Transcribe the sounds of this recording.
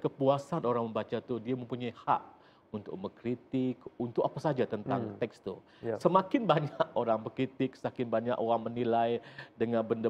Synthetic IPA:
kəpuasanoɾaŋməmbat͡ʃat̪udiaməmpuɲajha̰ʔ̚ | unt̪ʊ̰k̚məkɾit̪ɪkunt̪ʊk̚apasad͡ʒat̪ənt̪aŋt̪ɛkst̪u | səmakɪnbaɲakoɾaŋbəkɾit̪ɪk̚sakɪnbaɲaʔoɾaŋmənilajdəŋanbəndə

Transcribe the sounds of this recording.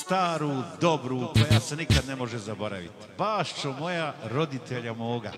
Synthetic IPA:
st̪aːɾud̪o̞bɾuːko̞jaːse̞nikad̪nemo̞ʒezabo̞ɾa̰ʋḭt̪i̥baːʃt͡ʃomo̞jaɾo̞d̪it̪ʰeʎamoːɡa̰

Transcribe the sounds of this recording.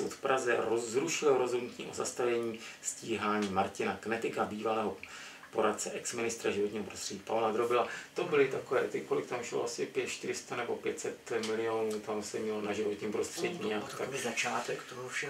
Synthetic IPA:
o̰t̪fpɾazɛ̰ɾozɾuʃɪlɾo̞zɦo̞dnut̪ɲḭːʔoza̰st̪avɛɲiː | sciːɦaːɲiːmaɾcɪnaknɛt̪ɪkabiːvalɛːɦo̞ | po̞ɾat̪̚t͡sɛʔɛksmɪnɪst̪ɾaʒɪvot̪ɲiːɦo̞pɾost̪r̥ɛɟiːpavlad̪ɾobɪlat̪o̞bɪlɪt̪akovɛːt̪ɪkolɪkt̪amʃɪlo̰ʔasɪpjɛt̪ʃt̪ɪɾɪst̪anɛbo̞pjɛt̪sɛt̪mɪlɪoːnuːt̪amsɛmɲɛlonaʒɪvot̪ɲiːmpɾo̞st̪r̝̥ɛɟiɲat̪azat͡ʃaːt̪ɛkt̪obufʃɛ

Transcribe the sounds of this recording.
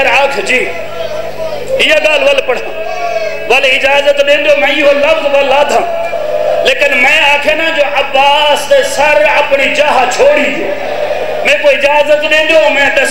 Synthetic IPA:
ɾaːkʰd͡ʒiː | ɪːaːɡaːlʋəlpəɽ̤ãː | ʋəlɪd͡ʒaːzət̪ɗẽːnd̪joːmɛ̃ːɪːɦoːləbzʋəlːaːd̪ʱãː | leːkɪnmɛ̃ːaːkʰeːnãːd͡ʒoːʔəbːaːsd̪eːsəɾəpɳiːt͡ʃaːɦat͡ʃʰoːɽiː | mɛ̃ːkoːɪd͡ʒaːzət̪ɗẽːnd̪õːmɛ̃ːɗə

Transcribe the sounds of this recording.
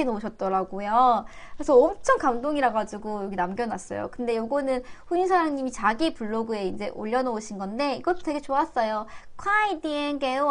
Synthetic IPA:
enouɕ̬ʰʌt̚t͈ʌɾaɡojakɯɾesʰʌːmt͡ɕʰʌŋkamdoŋiɾaɡad͡ʑiɡojoɡinamɡjʌnas͈ʌ̰jo̰kɯnde̞joɡʌnɯnɸuɲisʰaɾaŋɲimit͡ɕaɡipuɭːoɡue̞ind͡ʑe̞ʔo̰ʎːʌnʌoɕʰinɡʌnde̞iɡʌt͈o̥te̞ɡe̞t͡ɕoas͈ʌjokʰwaidienɡeo

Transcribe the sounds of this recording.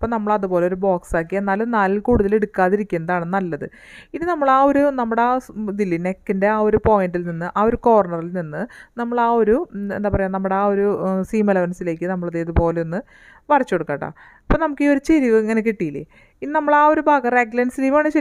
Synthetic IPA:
ɐpːoːnɐmːɐɭɐðubo̞ːle̞oɾubo̞ːksaːkːienːaːlnaːlikuːɽuðɐleɽukːaːðiɾikʲːunːɐðaːɳenːnɐlːɐðɨ̰ | iðɨnɐmːɐɭaːo̞ɾunɐmːuɽeaːd̪ilːinekːinde̞aːo̞ɾupo̞ːjindilninːɨʔaːo̞ɾukoːʋrɐɳɐrilninːɨnɐmːɐɭaːo̞ɾuend̪aːpɐrɐjaːnɐmːɐɽeaːo̞ɾusiːmɐlɐʋɐnsile̞ːkʲːɨnɐmːɐɭɐðeðupo̞ːle̞onːɨ | ʋɐrɐt͡ɕːoɽukːaːʈːa̰ː | ipːoːnɐmukːiːo̞ɾut͡ɕeɾiɣɐɐŋːɐnekiʈːijilḭ | inɐmːɐɭaːo̞ɾubʱaːɡɐreɡlɐnsiliːʋaːɳɨt͡ɕɐ

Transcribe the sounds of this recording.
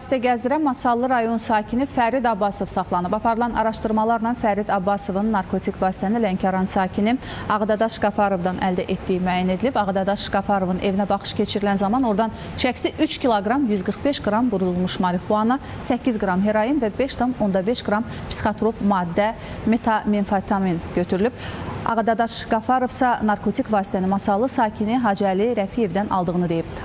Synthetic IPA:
ɑsi̥t̪ʰæɟæzd̪iɾænmɑsɑlˠːɯɾɑjo̞nsɑːcʰinifæɾid̪ɑbːɑso̞vsɑχlˠɑnɯbɑpʰɑɾɯlˠɑnʔɑ̰ɾɑʃt̪ɯɾmɑlˠɑɾnɑnfæɾid̪ɑbːɑso̞vɯnːɑɾkʰo̞t̪ʰikvɑːsi̥t̪ʰæsnilæɲcʰɑɾɑnsɑːcʰini | ɑɣd̪ɑd̪ɑʃɡɑfɑɾo̞vd̪ɑnʔæld̪æʔe̞t̪d̪ijimyæjæne̞d̪ilibɑʁɑd̪ɑd̪ɑʃɡ̥ɑfɑɾo̞vɯnʔe̞vinæbɑχɯ̥ʃcʰe̞t͡ʃʰiɾilænzɑmɑno̞ɾd̪ɑn | ʃæçsiʔyt͡ʃcʰilˠoɡɾɑmjyzɡɯɾχbeʃɡɾɑmɡuɾululˠmuʃmɑɾixuɑnɑ | sæcʰːizɡɾɑmɦe̞ɾɑjɯnvæbe̞ʃt̪ʰomo̞nd̪ɑbeʃɡɾɑmpsi̥χat̪ɾo̞pmɑːd̪ːæ | met̪ʰɑminfɑt̪ʰɑminɟ̥øt̪ʰyɾylyb̥ɑ̰ʁɑd̪ɑd̪ɑʃɡ̥ɑfɑɾo̞vsɑnɑɾkʰo̞t̪ʰikvɑːsi̥t̪ʰæninmɑsɑlˠɯsɑːcʰiniɦɑd͡ʒæliɾæfie̞vd̪ænɑ̰lˠd̪ɯɣʁɯnɯd̪e̞jib

